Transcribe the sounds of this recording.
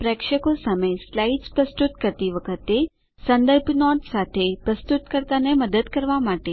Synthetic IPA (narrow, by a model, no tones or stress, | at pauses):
pɾɛkʃəkosaməjslaid͡ʒpɾəst̪ut̪kəɾt̪iʋəkʰət̪e | sənd̪əɾbnɔɖsat̪ʰepɾəst̪ut̪kəɾt̪aneməd̪əd̪kəɾʋamaʈe